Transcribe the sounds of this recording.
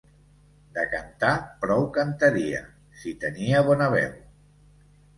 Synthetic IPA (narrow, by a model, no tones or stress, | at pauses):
d̪əkant̪apɾɔwkant̪əɾia̰ | sit̪əniaβ̞ɔnəβ̞ɛ̰w